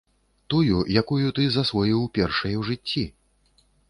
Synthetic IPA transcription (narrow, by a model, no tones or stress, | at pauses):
t̪ujujakujut̪ɨzasvɔjiwpʲɛrʂɐjɛwʐɨt͡sʲːi